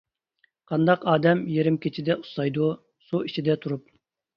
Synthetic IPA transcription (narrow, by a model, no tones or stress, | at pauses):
qʰɑnd̪ɑqɑːd̪ɛmjeɾɪmkʲʰet͡ʃʰid̪ɛu̥sɑjd̪u | suit͡ʃʰid̪ɛt̪ʰuɾup̚